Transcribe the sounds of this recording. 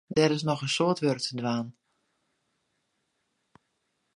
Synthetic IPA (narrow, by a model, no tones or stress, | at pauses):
dɛɾɪsnɔxənsoːtʋørtədʋaːn